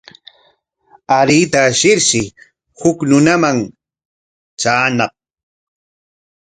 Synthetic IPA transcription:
aɾit̪aʃɪɾʃɪ | hʊknʊnamaŋ | t͡ʃaːnɑχ̚

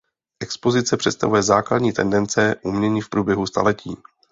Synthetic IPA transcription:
ʔɛkspo̞zɪtt͡sɛpr̥ɛt̪st̪a̰vujɛzaːkladɲiːt̪ɛ̰ndɛnt͡sɛʔumɲɛɲiːfpɾuːbjɛɦust̪a̰lɛciː

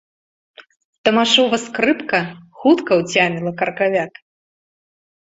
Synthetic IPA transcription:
t̪ɐmaʂɔvɐskɾɨpkɐxut̪kɐwt͡sʲamʲilˠɐkɐrkavʲak̪

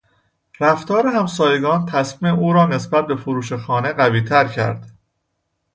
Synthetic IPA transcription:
ɾæft̪ɒːɾeɦæmsɒːjeɡɒːnt̪ʰæsmiːmeuːɾɒːne̞sbæt̪̚be̞foɾuːʃexɒːne̞ɢæviːt̪ʰæɾcʰæ̰ɾd̪̥

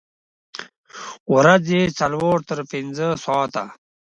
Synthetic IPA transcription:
ɾad͡zet͡salwoːɾt̪əɾpɪnd͡zəsɑːt̪a̰

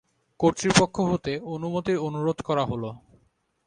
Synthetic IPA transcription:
koɾt̪ɾipokʰːoɦot̪eonumot̪iɾonuɾod̪ʱkɔɾaɦolo

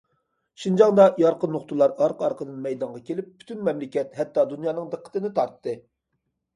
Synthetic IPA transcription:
ʃind͡ʒɑŋd̪ɑjɑɾqənːoχt̪ʰulˠɑɾɑɾqʰɑɾqʰəd̪ɨnmɛjd̪ɑɴʁɑkʲelɪpːy̥t̪ʰynmɛmlɪkʲɛt̪hɛt̪ːɑd̪unjɑːnɨŋd̪əqʰːə̥t̪ɨnɨt̪ʰɑɾt̪ːɨ

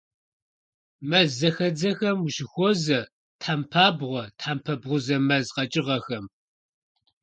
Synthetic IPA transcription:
mɐzːɐxɐd͡zɐxɐmuʃɪxʷɔzɐ | tħampʰaːbʁʷɔtħampʰɐbʁʷʊzɐmɐzqɐt͡ʃʼɪʁɐxɐm

